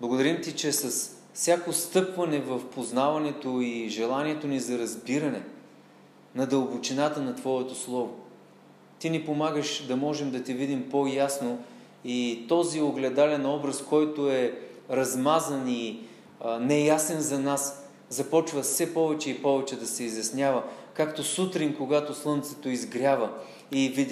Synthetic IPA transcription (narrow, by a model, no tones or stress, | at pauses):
blˠɡʊd̪ɐɾimt̪it͡ʃɛsɐs | fsʲjakost̪ɤpvɐnɛvəfpoznavɐnɛt̪oiʒɛlˠaniɛt̪onizɐɾɐzbiɾɐnɛ | nɐd̪əlˠbot͡ʃinat̪ənɐt̪vɔɛt̪oslˠɔvo | t̪inipomaɡəʃd̪ɐmɔʒɛmd̪ɐt̪ivid̪impojasno | it̪ɔzioɡlɛd̪alɛnɔbɾɐskɔjt̪oɛɾɐzmazəni | nɛjasɛnzɐnas | zɐpɔt͡ʃvəfsɛpɔvɛt͡ʃɛipɔvɛt͡ʃɛd̪ɐsɛizjɐsnʲavəkakt̪osut̪ɾinkoɡat̪oslˠɤnt̪sɛ̥t̪oizɡɾʲavə | ivid̪